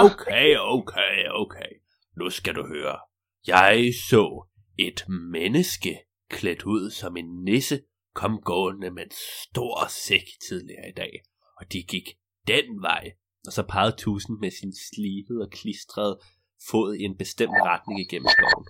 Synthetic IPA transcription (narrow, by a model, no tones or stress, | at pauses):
oʊkʰeɪoʊkʰeɪoʊkʰeɪ | nusɡ̥æd̥uhøːɐ | jɑ̈ɪsɔ̰̽ː | e̝d̥menəsɡ̥ə | kʰled̥uð̞̰ˠsɒ̽me̝nːesə | kʰɒ̽mɡ̥ɔ̰̽ːnəmenssd̥o̝ɐ̰seɡ̥t͡sʰið̞ˠliɐːid̥ɛ̰ː | ɒ̽d̥iɡ̥iɡ̥ | d̥enʋɑ̈ɪ̰ | ʔɒ̽sɒ̽pʰɑ̈ːð̩ˠt͡sʰṵːsn̩mesinsliːb̥ð̩ˠɒ̽kʰlisd̥ʁɐðˠ | fɔ̰ð̩ˠie̝nb̥e̝sd̥em̰d̥ʁɑd̥nɪ̝ŋiɡ̥en̰m̩sɡ̥ɒ̰ʊ̰n̩